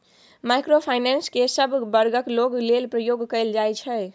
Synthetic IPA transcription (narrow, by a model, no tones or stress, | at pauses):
majkɾopʰajnenskesəbʱbəɾɡəkloɡlelpɾəjoɡkəɪld͡ʒajt͡ʃʰɛ